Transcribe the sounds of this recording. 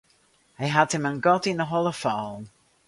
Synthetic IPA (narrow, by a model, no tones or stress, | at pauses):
aɪɦəd̥hɪ̃mə̃nɡɒdɪ̃nəɦɔlˠəfɔm